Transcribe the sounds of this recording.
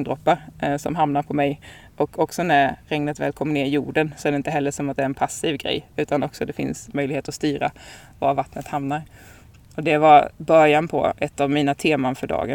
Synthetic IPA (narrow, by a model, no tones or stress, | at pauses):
ŋd̪ɾɔpːasɔ̰mɦamnaɾpʰɔmɛj | ʔɔkʰɔksɔnæɾɾɛŋnət̪vɛ̰ːlkʰɔmːəneːɾɪjṵːɖənsɔæɖɛɪnt̪əɦɛlːəʂɔmat̪̚d̪ɛːɾɛnpʰasːiːvɡɾɛ̰jːʉ̟ːt̪anɔksɔd̪ɛfɪ̰nsmœjlɡheːt̪ɔst̪yːɾa̰ | va̰ɾvat̪nət̪hamnaɾ | ɔd̪ɛvabœɾjanpʰɔ̰ʔɛt̪ːavmiːnat̪ʰeːmanfœɖɑ̰ːɡə